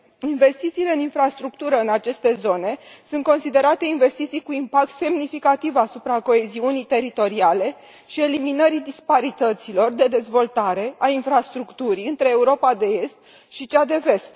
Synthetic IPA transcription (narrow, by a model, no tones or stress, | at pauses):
inve̞st̪it̪siːle̞ɨninfɾast̪ɾuk̚t̪uɾəɨnat͡ʃe̞st̪e̞zo̞ne̞sunt̪ko̞nsid̪e̞ɾat̪e̞inve̞st̪it̪sijkuimpak̚t̪se̞mnifikat̪ivasupɾako̞e̞ziunijt̪e̞ɾit̪o̞ɾiale̞ | ʃie̞liminəɾid̪ispaɾit̪ət̪silo̞rd̪e̞d̪e̞zvo̞lt̪aɾe̞ʔainfɾast̪ɾukt̪uɾiɨnt̪ɾe̞ːuɾo̞pad̪e̞e̞st̪̚ | ʃit͡ʃad̪e̞ve̞st̪